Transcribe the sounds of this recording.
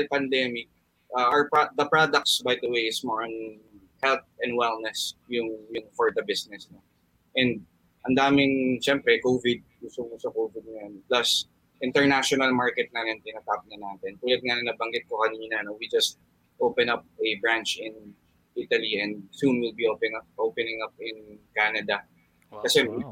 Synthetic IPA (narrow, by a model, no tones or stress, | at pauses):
pɐnd̪ɛmɪk̚ː | pad̪ɐpɹad̪ɐk̚t̪sbajd̪ɐwejɪsmɔɹɐn | hɛlt̪̚ɛ̃nd̪wɛlnɛsjʊŋjʊŋfɔɹd̪ɐbɪsnɛsno | ʔɛ̃nd̪̚ | ʔɐnd̪aːmɪŋʃɛmpɾɛkowvɪd̪̚kusʊŋosɐkowvɪd̪̚ŋɐjonplɐs | ʔɪ̃nt̪ɛɹnaʃɔnɐlmaɹkɛt̪̚nanɐnt̪ɪnat̪ap̚nɐnaːt̪ɛnk̪ʊlɐd̪̚ŋanɐnɐbɐŋɡɪt̪̚kokɐniːnɐnowid͡ʒɐst̪̚ | ʔowpɛnɐp̚ɐbɹãnt͡ʃɪ̃n | ʔit̪ɐliɛ̃nd̪̚sunwɪlbiʔopɛŋɐp̚ʔowpɛnɪ̃ŋɐp̚ɪnkanɐd̪ɐ | kɐsɛ